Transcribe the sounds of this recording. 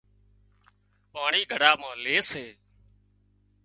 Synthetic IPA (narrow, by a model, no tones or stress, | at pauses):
paːɳiːɡʱəɽaːmãːleːseː